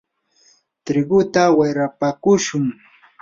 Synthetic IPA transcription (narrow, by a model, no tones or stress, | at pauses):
t̪ɾɪɡʊt̪awajɾapakʊʃʊŋ